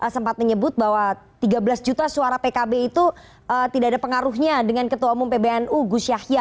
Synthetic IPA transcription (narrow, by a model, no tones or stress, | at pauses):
ʔəsəmpat̪̚məɲəbʊt̪̚bawa | t̪iɡabəlasd͡ʒut̪asuaɾapekabeit̪u | ət̪idaːdapəŋaɾʊɦɲadəŋankət̪uwaumɔmpebeɛnuɡusjahja